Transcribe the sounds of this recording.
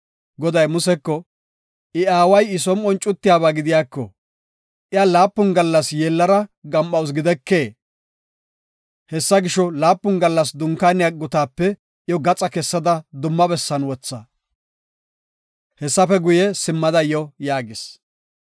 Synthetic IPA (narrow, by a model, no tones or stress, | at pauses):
ɡɔd̪ɐjmʊsɛkːɔ | ʔɪaːwɐjɪsɔmɔnt͡ʃʼʊt̪ːɪjaːbaːɡɪd̪ɪjaːkːɔ̰ | ʔɪalaːpːʊnɡɐlːɐsjeːlːɐɾɐɡɐmːɐws̬ɡɪd̪ɛkːe̞ː | hɛsːɐɡɪʃɔlaːpːʊnɡɐlːɐs̬d̪ʊŋkaːnɪjaɡʊt̪aːpːɛ | jɔɡɐt͡sʼɐkɛsːɐd̪ɐd̪ʊmːɐbɛsːɐnwɔt͡sːɐ | hɛsːɐfɛɡʊjɛsɪmːɐd̪ɐjɔjaːɡɪs